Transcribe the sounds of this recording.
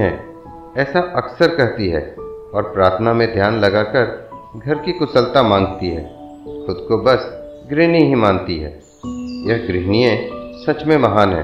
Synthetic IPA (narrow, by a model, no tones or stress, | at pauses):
ɦɛ̃ | ɛːsaʔɐksəɾkɛɦt̪iɦɛ̰ːɔːɾpɾaːɾt̪ʰənamẽd̪ʱjaːnlɐɡakəɾɡʱɐɾkikʊsəlt̪amãːŋɡt̪iɦɛ̰ː | xʊd̪kobɐs | ɡɾɪniɦimãːnt̪iɦɛ̰ː | jɐɦɡɾɪɦniẽsɐt͡ʃmẽmɐɦaːnɦɛ̰̃ː